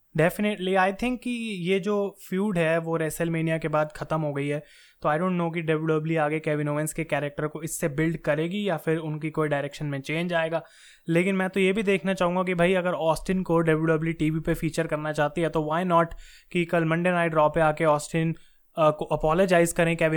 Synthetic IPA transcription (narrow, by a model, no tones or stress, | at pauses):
ɖɛːfɪnɪʈliaːɪt̪ʰɪ̃ŋkːijed͡ʒoːfjuːɖɦɛʋoɾɛsɛlmeːnijakebaːd̪xɐt̪əmɦoɡɐiɦɛː | t̪oaːɪɖõːɳʈːnoːk̬iɖɐbɖəbliaːɡeekɛːʋɪ̃noːʋɪ̃nskekɛːɾɛk̚ʈəɾkoɪsːebɪlɖkɐɾeːɡijafɪɾʊnkikoːiɖaːɪɾɛːkʃənmẽt͡ʃẽːnd͡ʒaːeːɡaː | leːkɪ̃nmɛ̃ːt̪ojebʱid̪eːkʰnat͡ʃaːɦũŋɡakibʱaːiɐɡəɾɔːsʈɪnkoɖɐbɖəbliʈiːʋipefiːt͡ʃəɾkɐɾnat͡ʃaːɦt̪iɦɛt̪oʋaːɪnɔːʈ | kikɐlmɐ̃ɳɖẽnaːɪɖɾɔːpeaːkeɔːsʈɪn | koʔɐpɔːlod͡ʒaːɪzkɐɾẽkɛːʋɪ